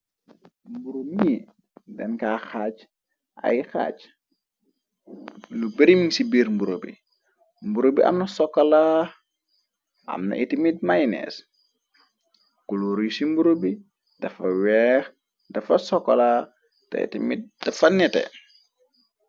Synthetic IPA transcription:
mbuɾomi | dɛnkaːxaːc | ʔa̰jxa̰ːc | lubeɾimiŋsibiːɾmbuɾobḭ | mbuɾobiʔɐ̰mnɐsɔkːɐla | ʔɐ̰mnɐ̰ʔitimit̚majnɛ̰s | kuluɾijsimbuɾobi | d̥ɐfɐwɛːx | dɐfɐsɔkːɐla | tɐ̰ḭtimit̚d̥ɐfɐnɛtɛ̰

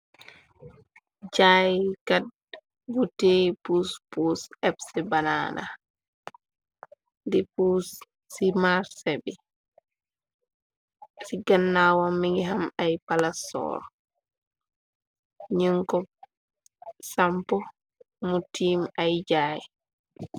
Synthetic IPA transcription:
d͡ʒajkad̚ | ɡutepuspusɛbsɛbana̰na̰ | dɛpusː | imaɾsɛbɛ | siɡanːawɔmːiŋɡiɦamajpalasɔ̰ːɾ | ɲəŋkɔ | sampɔ | mutiːmajd͡ʒaj

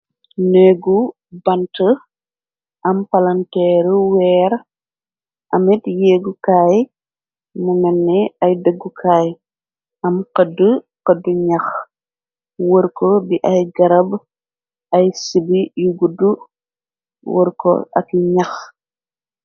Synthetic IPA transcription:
nɛɡu | bɐntə | ʔɐmpɐlɐntɛːɾwɛːɾ | ʔɐmɛtjɛːɡukaːj | mumɛnːɛɐjdəɡːukʰaːj | ɐmqɐdːə | qəduɲɐx | wəɾkɔbiʔɐjɡɐɾɐb | ɐjsibijuɡudu | wə̰ɾkɔ̰ʔɐ̰kiɲax

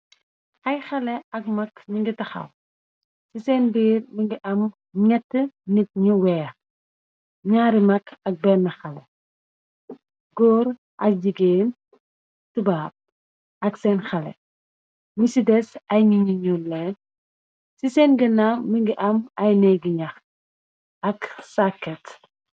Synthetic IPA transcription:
ɐjxɐlɛɐk̚mɐkɲiŋɡitɐxa̰l | sisɛːnbiːɾmiŋɡiʔɐm | ŋɛtːənit̚ɲuwɛɐ | ɲaːɾimɐkɐk̚bɛnːɐxɐlɛ̰ | ɡɔːɾ | ʔɐk̚d͡ʒiɡeːn | tubaːp̚ | ɐksɛːnxɐlɛ̰ | misidɛsɐjɲiɲiɲullɛn | sisɛːnɡənamiŋɡiʔɐmɐjnɛɡiɲɐx | ɐksakːɛt

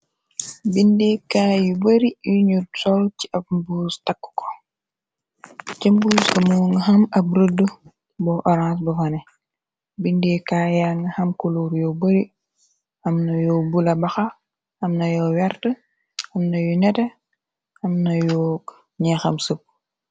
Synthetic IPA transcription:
bindɛkaːjubəɾijuɲusɔlciʔɐp̚buːstɐkːu̥kɔ̥ | t͡ʃɐmbuskɐmuŋɐɦɐmɐb̚ɾədu | bɔʔɔɾãːs̬bɐfɐnɛ | bindekaːjaŋɐhɐmkoluːɾjɔbɐɾi | ɐmnɐjɔbulɐbɐxɐ | ɐmnɐjɔːwɛrtə | ɐmnɐjunɛtɐ | ɐmnɐjɔ | ɲɛxɐmsəp̚

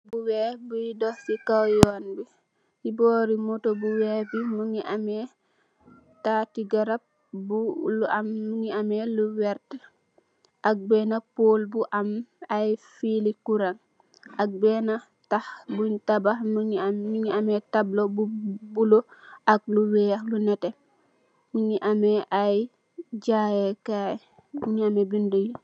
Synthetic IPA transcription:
buwɛːbujidɔsikawjɔːnbi | jibɔːɾimɔtobuwɛbimuŋiʔamɛ | tatiɡaɾap̚ | buluamːuŋiamɛluwɛɾt | ʔak̚bɛːnapoːlbuʔamajfilikuɾaŋ | ak̚bɛːna | tahbuɲtabamiɲiamɛtablobubuloʔak̚luwɛaxlunɛte | miɲiʔamɛʔaj | ɟajɛkaːj | miɲiamɛbinduji

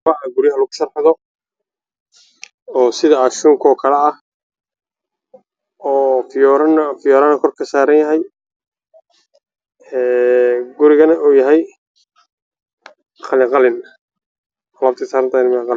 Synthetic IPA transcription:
ɐɐɡʊɾɪjɐɦɐlʊɣʊʃɐrħɑðɔ | ɔːsɪðɐaːʃuːŋkʰɔːkʰɐlɛɐh | ɔːfɾɐnfɪjɔːɾaːnɛkʰɔrkʰɐsaːɾɐnjɐɦɛj | ɛːɡʊɾɪɣɐnɐʔuːjɐɦɛj | χɑlɪqɑlɪn | lɐːbt̪ʰisaːɾɐnt̪ʰaːnmɪqɑ

